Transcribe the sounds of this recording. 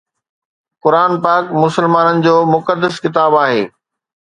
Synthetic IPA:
kʊɾaːnpaːkmʊsəlmaːnənɪ̆d͡ʑoːmʊkəd̪ːəskɪt̪aːbaːɦeː

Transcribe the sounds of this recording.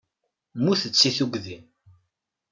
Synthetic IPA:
muθət͡sːiθuɡðin

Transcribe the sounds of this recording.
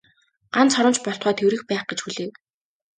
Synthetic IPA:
ɢ̥ant͡sχɔɾʊ̆nt͡ɕpɔɬt̪χɔːt̪ʰewɾɘ̆xpæːχɡet͡ɕxuɮeːw

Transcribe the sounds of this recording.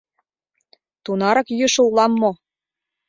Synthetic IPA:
t̪unɑɾɑkjøʃŏulˠɑmːo

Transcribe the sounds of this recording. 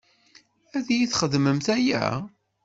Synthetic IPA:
æðjiθχəðməmθæjæ̰

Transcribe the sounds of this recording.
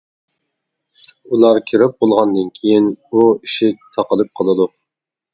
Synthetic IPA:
ulˠɑɾkʲʰiɾɪp̚bolˠʁɑnd̪ɨnkʲʰijinuiʃit̪ʰɑqəlˠɨp̚qʰəlˠɨd̪u

